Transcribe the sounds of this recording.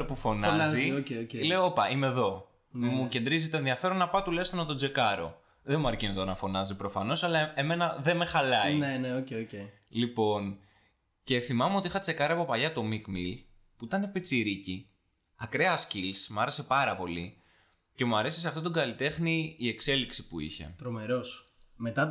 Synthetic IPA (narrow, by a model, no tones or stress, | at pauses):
ɾopufo̞nɐnzioeoceleoopɐʔimeðo̞ | muce̞nd̪ɾizit̪oenðiɐfe̞ɾonːɐpɐt̪ulɐjst̪onɐt̪o̞d͡ze̞kɐɾo̞̰ | ðe̞muɐɾcinoðonɐfo̞nɐzipɾo̞fɐno̞sɐlɐeme̞nɐðe̞me̞xɐlɐineneoceoce | lipo̞n | ce̞θimɐmeot̪iixɐt͡se̞kɐɾɐpo̞pɐʎɐt̪o̞mikmil | puit̪ɐne̞pit͡siɾici | ɐkɾe̞ɐscilsmɐɾe̞se̞pɐɾɐpo̞li | ce̞muɐɾe̞siseɐft̪o̞t̪oɡɐlit̪e̞xniːe̞kse̞liksi̥puḭçe̞̰t̪ɾomeɾo̞s | met̪ɐ